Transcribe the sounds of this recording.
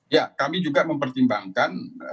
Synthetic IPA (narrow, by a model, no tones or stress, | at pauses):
jakamid͡ʒuɡaməmpərt̪imbaŋkan